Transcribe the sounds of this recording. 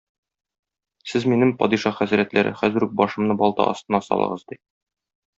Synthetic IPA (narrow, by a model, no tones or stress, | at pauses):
sɘzminɘmpɒ̰d̪iʃɑχæzɾæt̪læɾʔɘ̰χæzɘ̆ɾuk̚bɒʃɤ̆mnɤbɒlˠt̪ɑ̰ʔɒ̰st̪ɤ̆nɑsɒ̰lˠɤ̰̆ʁɤ̰zd̪i